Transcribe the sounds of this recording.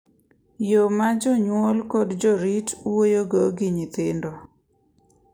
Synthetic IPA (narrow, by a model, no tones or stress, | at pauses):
jomad͡ʒɔɲwolkɔdd͡ʒɔɾitwojoɡoɡiɲit̪ɪndo